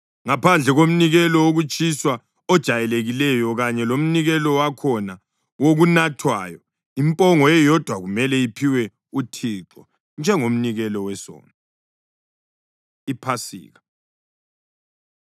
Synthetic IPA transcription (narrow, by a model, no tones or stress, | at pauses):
ŋapʰand͡ɮʱɛɣom̩niɣɛlɔoɣut͡ʃʼiswa | ɔd̥ʒ̥ʱajɛleɣilɛjɔɣaɲɛlom̩niɣɛlɔwakʰɔna | woɣunatʰwa̰ːjɔ | impʼɔŋɔɛjɔd̥ʱwaɣumɛlɛipʰiwɛ | utʰiːǁɔ̰ | nd͡ʒʱɛŋom̩niɣɛlɔwɛsɔ̰ːna | ipʰasḭːɣa